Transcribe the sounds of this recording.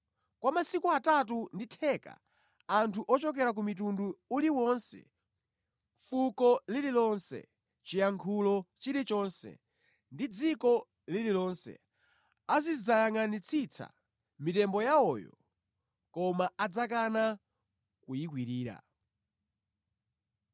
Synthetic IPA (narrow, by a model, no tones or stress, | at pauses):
kwamasikuatat̬unditʰɛka̰ | antʰuʔɔt͡ʃɔk̬ɛɾak̬umit̬unduːliwɔnsɛ̰ | fukɔlililɔnsɛ̰ | t͡ʃijaŋkʰulɔt͡ʃiɾit͡ʃɔnsɛ̰ | ndid͡zikɔ | lililɔnsɛ̰ | azizajaŋanit͡sʰit͡sʰa̰ | mitɛmbɔjaɔːjɔ̰ | kɔmaad͡zakana | kujikwiɾiːɾa̰